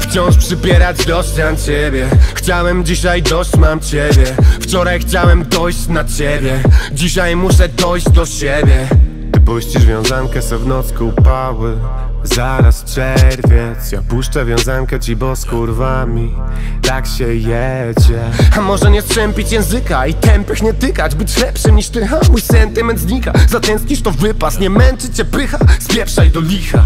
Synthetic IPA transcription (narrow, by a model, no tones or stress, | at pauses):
ft͡ɕɔ̃w̃ʂpʂɘpʲjɛɾad͡ʑd̪ɔɕt͡ɕant͡ɕɛbʲjɛxt͡ɕawɛmd͡ʑiɕajd̪ɔɕt͡ɕmamt͡ɕebʲjɛft͡ɕɔɾajxt͡ɕawɛmd̪ɔjɕt͡ɕnat͡ɕebʲjɛd͡ʑiɕajmuʂɛd̪ɔjʑd͡ʑd̪ɔɕɛbʲjɛ | t̪ɨpuɕt͡ɕiʐvʲjɔ̃w̃zaŋkɛsɔvnɔt̪skɔupawɘ | zaɾast͡ʂɛɾvʲjɛt̪sjapuʂt͡ʂɛvʲjɔ̃w̃zaŋkɛt͡ɕibɔskɔɾvamʲi | t̪akɕɛjɛ | d͡ʑɛ | amɔʐɛɲɛst̪ɾɛmpʲit͡ɕjɛ̃w̃zɘkait̪ɛmpʲɛxɲɛt̪ɪkad͡ʑbɘt͡ɕlɛpʂɨmɲiʂt̪ɘxamujsɛnt̪ɪmɛnt̪zɲikazat̪ɛnskʲiʂt̪ɔvɘpast̪ɲɛmɛnt͡ʂɘt͡ɕːɛpɪxaspʲjɛpʂajd̪ɔlʲixa